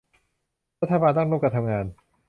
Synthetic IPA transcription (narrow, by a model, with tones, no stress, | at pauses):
ɾa˥t̪ʰːa˧baː˧nt̪ɔ˥˩ŋɾuː˥˩ka˧t̪ʰa˧mŋaː˧n